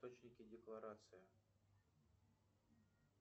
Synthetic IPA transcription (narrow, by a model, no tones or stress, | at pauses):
t̪ot͡ɕnʲɪkʲɪdʲɪklˠɐɾat̪sɨjɪ